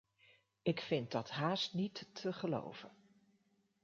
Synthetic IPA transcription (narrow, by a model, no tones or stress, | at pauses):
ɪkfɪnt̚dɑtɦaːstnitːʰəχəlo̰wv̥ən